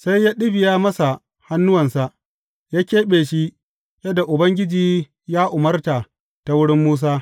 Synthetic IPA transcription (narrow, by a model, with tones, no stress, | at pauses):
sa˦jːaː˦ɗɪ˦bɪ˨jaː˦mɐ˦sa˨ | ha˦nːʊ˦wɐ˨nsa˨ʔ | jaː˦kʲeː˦ɓeː˨ʃi˦ | jɐ˦da˨ʔʊ˨bɐ˦ŋɡʲɪ˦d͡ʒiː˦ | jaː˦ʔʊ˨mɐ˦rtaː˨ | ta˨wʊ˦ɽɪ˦mːuː˦s̬aː˦